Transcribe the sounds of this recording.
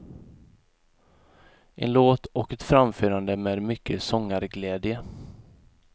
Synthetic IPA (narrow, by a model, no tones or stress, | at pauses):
ʔɛ̰nloːt̪ɔkɛt̪fɾamføːɾand̪əmeːd̪mʏkʰːəsɔŋːaɾɡlɛːd̪jə